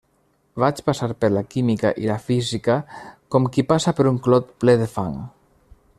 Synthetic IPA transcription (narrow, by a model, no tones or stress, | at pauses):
βat͡ʃpasaɾpəɾlakimikaʔilafizikakɔmkipasapəɾuŋklɔt̪plɛðefaŋ